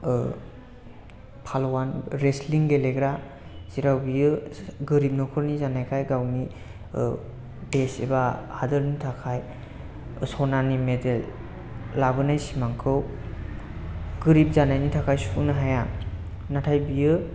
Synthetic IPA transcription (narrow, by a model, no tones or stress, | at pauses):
pʰalwanɾesliŋɡeleɡɾa | z̥iɾawbijɯɡɯɾip̚nɔkʰɯɾnizanajkʰajɡawni | desḛbahadɯɾnitʰakʰaj | sɔnanimedelː | abɯnajsimaŋkʰɯw | ɡɯɾip̚zanajnitʰakʰajsuunɯɦaja | natʰajbijɯ